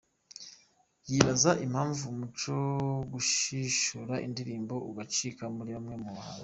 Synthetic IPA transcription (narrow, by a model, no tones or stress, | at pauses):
jiβazaʔimhaːɱvumut͡ʃoɡuʃiʃuɾaʔḭndiɾiːmbo̞uɡat͡ʃikamuɾiβamŋe̞muβahaɾo